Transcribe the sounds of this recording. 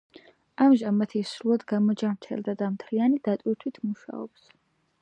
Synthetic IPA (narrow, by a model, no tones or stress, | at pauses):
amʒamat̪ʰisɾulˠad̪ɡamɔd͡ʒamt͡ʃ̪ʰɛ̰ld̪ad̪amt̪ʰlianid̪̥at̪ʼwiɾt̪ʰwit̪ʰmuʃa̰ɔ̰ps